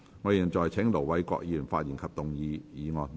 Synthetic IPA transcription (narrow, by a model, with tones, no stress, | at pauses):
ŋɔː˨˧ji˨˩nt͡ʃɔː˨jt͡sʰɛ˨˥ŋlo˨˩wwɐ˨˧˥jkʷɔ̰ː˧k̚jiː˨˩nfa̰ː˧t̚ji˨˩nkʰɐ˨p̚t̪ʊ˨ŋjiː˨˧jiː˨˧ŋɔː˨˧n